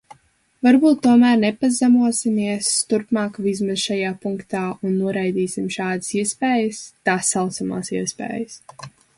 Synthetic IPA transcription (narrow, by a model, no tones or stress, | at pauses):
vaɾbuːt̪ːuɔmæːɾnɛpazamuɔsimiɛst̪uɾpmaːkvizmaz̥ʃajaːpuŋkt̪aːunːuɔɾajd̪iːsimʃaːd̪ɨ̥siɛspɛːjəst̪aːsːalˠt̪sama̰ːsiɛspɛ̰ːjəs